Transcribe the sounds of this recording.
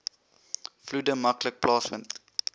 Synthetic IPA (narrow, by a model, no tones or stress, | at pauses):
fludəmɐklək̚plɑːsmənt